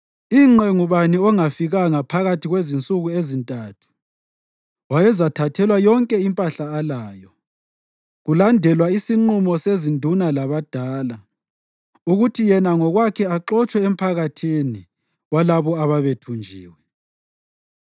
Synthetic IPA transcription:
iŋ͡ǁɛŋuβaniɔŋafiɣaŋapʰaɣatʰiɣwezint͡sʼuɣuezintʼaːtʰu̥ | wajɛzatʰatʰɛlwajɔŋkʼɛimpʼaɬaːlaːjɔ | ɣulandʱɛlwaisiŋ͡ǃumɔsezindʱunalaβad̥ʱaːla | uɣutʰijɛnaŋɔɣwakʰɛaǃɔt͡ʃʼwɛem̩pʰaɣatʰini | ɣwalaβɔaβaβetʰund͡ʒʱḭːwɛ

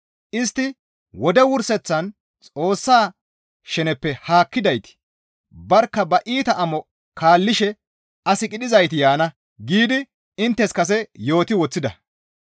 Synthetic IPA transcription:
ʔɪst̪ːɪ | wɔd̪ɛwʊɾsɛt͡sːɐn | t͡sʼo̞ːsːaː | ʃɛnɛpːɛhaːkːɪd̪ɐjt̪ɪ̥ | bɐɾkːɐbɐʔiːt̪ɐʔɐmɔ | kʰaːlːɪʃɛ | ɐsɪkʼɪɗɪzɐjt̪ɪjaːnɐ | ɡiːd̪ɪ | ɪnt̪ːɛskɐs̬ɛjo̞ːt̪ɪwɔt͡sːɪd̪ɐ̰

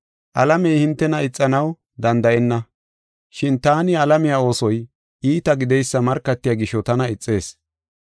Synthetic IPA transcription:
ʔɐlɐmɛjhɪnt̪ːɛnɐɪt͡sʼːɐnɐw | d̪ɐnd̪ɐʔɛnːɐ | ʃɪnt̪aːnɪɐlɐmɪjaːo̞ːsɔj | ʔiːt̪ɐɡɪd̪ɛjsːɐmɐɾkːɐt̪ːɪjaɡɪʃːɔt̪ɐnɐɪt͡sʼːe̞ːs

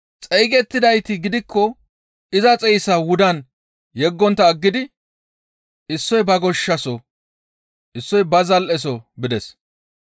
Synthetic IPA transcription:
t͡sʼɛjɡɛt̪ːɪd̪ɐjt̪ɪɡɪd̪ɪkʰːɔ | ɪzɐt͡sʼɛjsɐwʊd̪ɐn | jɛɡːɔnt̪ːɐːɡːɪd̪ɪ | ɪsːɔjbɐɡɔʃːɐsɔ | ʔɪsːɔjbɐzɐlʔɛs̬ɔbɪd̪ɛs

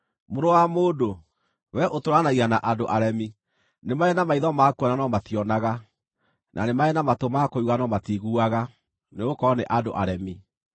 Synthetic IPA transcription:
moɾowamoːdo | wɛʔotoɾanaɣiɣanaʔadoʔaɾɛmi | nemaɛnamaiðɔmakɛnanɔmatiɔnaɣa | nʔa̰nemaɛnamatomakouɣanɔmatiɣuaɣa | neokɔneʔado̰ʔaɾɛmi

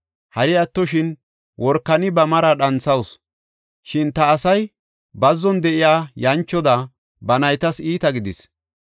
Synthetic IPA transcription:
hɐɾɪɐt̪ːɔʃɪn | wɔɾkːɐnɪbɐmɐɾɐɗɐnsɐws | ʃɪnt̪ɐːsɐj | bɐzːɔnd̪ɛʔɪjaːjɐnt͡ʃːɔd̪ɐ | bɐnɐjt̪ɐsiːt̪ɐɡɪd̪ɪs

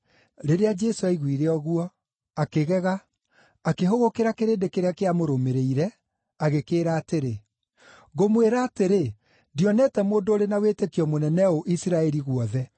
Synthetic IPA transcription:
ɾeɾead͡ʒɛsoɛiɣwiɾeɔɣuɔ | akeɣɛɣaː | keɦoɣokeɾakeɾeːndekeɾeakeamoɾomeɾeiɾɛ | aɣekeːɾaːteɾe | ɣomweɾaːteɾe | diɔnɛtɛmoːndoːɾenaweːtekiɔmonɛnɛoʔisiɾaɛɾiɣwɔðɛ

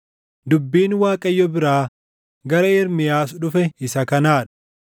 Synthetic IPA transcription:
d̪ʊbːiːnwaːkʼɐjːɔbɪɾaː | ɡɐɾɐɪɾmɪjaːsᶑʊfɛɪsɐkɐnaːᶑɐ̥

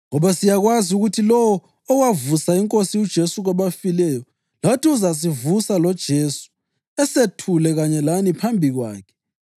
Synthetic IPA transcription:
ŋɔβasijaɣwaziuɣutʰilɔwɔː | ɣwavusaiŋkʼosiud̥ʒ̥ʱesuɣaβafilɛjɔ | latʰiuzas̬ivusalɔd̥ʒ̥ʱesu̥ | ɛsetʰulɛɣaɲɛlanipʰambʱiɣwa̰ːkʰɛ̥

